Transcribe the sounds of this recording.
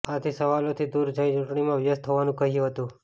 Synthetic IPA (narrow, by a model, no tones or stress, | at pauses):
at̪ʰisəʋalot̪ʰid̪uɾd͡ʒəĩt͡ʃuʈɳimãʋjəst̪ʰəʋanũkəɦijũɦət̪ũ